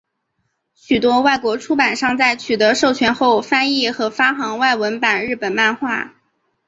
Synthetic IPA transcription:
ɕy˨˩t̪wɔ˥wa˥˩ɪkwɔ˧˥ʈ͡ʂʰu˥pa˨˩nʂɑ˥˧ŋt͡sa˥˩ɪt͡ɕʰy˨˩t̪ɤ˧˥ʂo˥˩ʊt͡ɕʰɥɛ˧˥nxo˥˩ʊfa˥ni˥˩xɤ˧˥fa˥xɑ˧˥ŋwa˥˩ɪwə˧˥npa˨˩nɻɻ̩˥˩pə˨˩nma˥˧nxwa˥˩

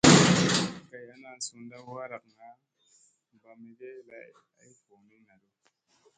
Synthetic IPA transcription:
ka˨ja˦na˨n˨su˨nda˦wa˦ɾa˨kŋa˨˦ | m˨ba˨me˨ɡe˦la̰˨ | a̰˦jfo˨ni˦na˨du˦

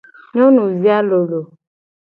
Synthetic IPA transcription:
ɲɔ̃˦nũ˨zi˦a˦lo˨lo˨

